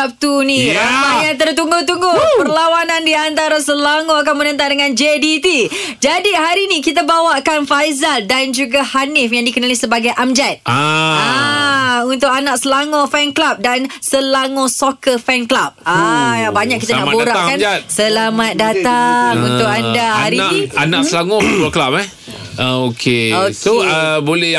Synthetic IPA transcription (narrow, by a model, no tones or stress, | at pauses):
ap̚t̪unĩabajaŋt̪ərt̪uŋɡʊt̪uŋɡʊpərlawanãndiant̪aɾasəlaŋõak̬anmənə̃nt̪̬aŋdəŋãnd͡ʒedit̪i | d͡ʒadiɦaɾiːnĩkit̪̬abawaʔkanfajzaldand͡ʒuɡahanɪfjaŋdikənalisəbaɡajʔamd͡ʒɛt̪̚a | unt̪ʊkanãʔsəlaŋɔ̃fɛnklap̚dansəlaŋɔ̃sokəfɛnklap̚aabaɲaʔkit̪anaʔboɾakːand͡ʒatsəlamat̪̚datt̪aŋunt̪ʊkandahaɾiaianãʔsəlaŋɔ̃ɔklap̚ɛ | ʔəokʰeoksoəbolɛ